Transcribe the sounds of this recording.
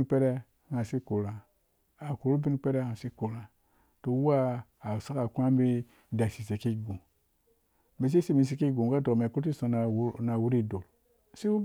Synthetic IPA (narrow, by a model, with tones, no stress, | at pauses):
pe˦ɾɛ˦˨ | ŋa˨si˦ko˨ɾa˨ | a˨ku˨ɾu˦bi˦n˦pe˦ɾe˦ŋa˨si˦ko˨ɾa˨ | to˨wa˦ | a˨sa˦ka˨ku˦a˦bi˦ | da˨si˨se˨ki˦˨ɡũ˨ | me˨s̬i˦si˦mi˨s̬i˦ki˦˨ɡũ˨ɡa˦do˨me˨ku˦ɾi˦sõ˨n˨na˨wu˦ɾi˦˨do˨l | si˦wu˦